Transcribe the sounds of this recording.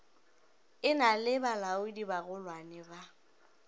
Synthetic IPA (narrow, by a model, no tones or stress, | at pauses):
ɪnalɪbalaʊdibaɣʊlwanɪba